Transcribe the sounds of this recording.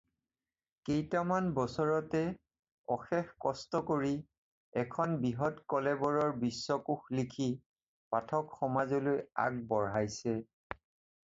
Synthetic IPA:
kejtamanbɔsɔɹɔtɛ | ɔxɛxkɔstɔkoɹi | ɛkʰɔnbiɦɔtkɔlɛbɔɹɔɹbisːɔkuxlikʰi | patʰɔkxɔmazɔloja̰k̚bɔɹɦajsɛ

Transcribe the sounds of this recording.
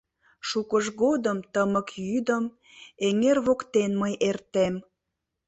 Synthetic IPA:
ʃukəʒɣod̪əmt̪əməkjyd̪əm | eŋerβokt̪enməjʔert̪em

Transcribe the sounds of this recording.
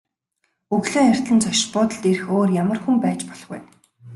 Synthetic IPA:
uɣɮoːar̥ʲt̪ɮə̆nt͡sʰɔʃpʊːt̪ə̆ɮt̪erɘ̆xoːrjamə̆rxumpæːt͡ɕpɔ̥ɮʁṵj

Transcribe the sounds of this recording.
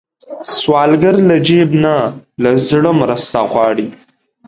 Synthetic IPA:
swɑːlɡəɾlad͡ʒebnalazɽəmɾəst̪aɣwɑːɽi

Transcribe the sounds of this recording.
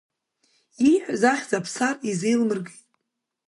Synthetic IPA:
iħʷᶣzaχʲzapʰsarizejlmɨrɡitʼ

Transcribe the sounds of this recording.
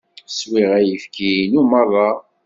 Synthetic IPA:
swiʁæjəfkinumɑɾˤɑ

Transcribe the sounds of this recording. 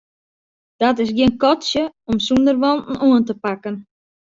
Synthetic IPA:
d̥ɔtɪsɡiənkɔtsjəɔmsundərʋɔntn̩oəntəpakən

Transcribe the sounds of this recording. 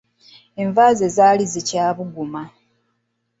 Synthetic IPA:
eɱvaːzezaːlizicaːβuɡuma

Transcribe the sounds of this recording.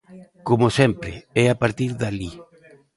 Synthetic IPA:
komosɛmpɾeɛapaɾt̪iɾðali

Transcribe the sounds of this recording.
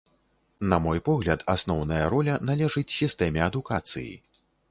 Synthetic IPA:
nɐmɔjpɔɣlʲɐt̪ʰasnɔwnɐjɐɾɔlʲɐnalʲɛʐɨt͡sʲsʲist̪ɛmʲɛɐd̪ukat̪sɨ̰jḭ

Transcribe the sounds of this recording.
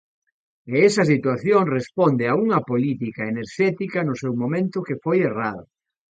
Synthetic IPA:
eɛsɐsit̪waθjoŋrespɔnd̪ɪauŋɐpolit̪ikɐeneɾʃɛt̪ikɐnʊsɛwmomẽnt̪ʊkefojeraðʊ̰

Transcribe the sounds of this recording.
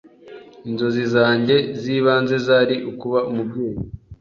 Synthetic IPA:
inzo̞zizaːɲɟe̞ziːβaːnze̞zaːɾiʔukuβaumubɡe̞ːji

